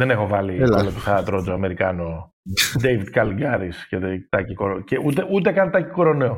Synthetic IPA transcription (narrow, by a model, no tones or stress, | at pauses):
ðene̞xo̞vɐliolot̪oθɐt̪ɾod͡zoɐme̞ɾikɐno | d̪ejvid̪̚kɐliɡɐɾisceðt̪ɐcikoɾoceut̪eʔut̪̬ekɐnt̪ɐcikoɾo̞neo